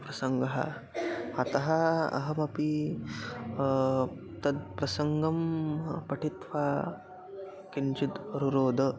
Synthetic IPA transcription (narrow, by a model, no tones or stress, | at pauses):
pɾɐsɐŋɡɐɦɐ̰ | ɐt̪ɐɦɐɐ̰ɦɐmɐpi | t̪ɐd̪̚pɾɐsɐŋɡɐmpɐʈʰit̪ʋaː | kint͡ʃit̪ɾuɾoːd̪ɐ